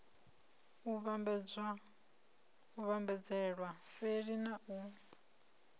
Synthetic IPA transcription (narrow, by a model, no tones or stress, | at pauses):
uβ | uβambɛd͡zɛɺwaseɺinaʔu